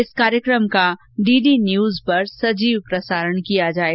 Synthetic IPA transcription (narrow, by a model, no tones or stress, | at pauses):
ɪskaːɾjəkɾəmka | ɖiːɖinjuːzpɐɾsɐd͡ʒiːʋpɾɐsaːɾəɽ̃kijad͡ʒaːe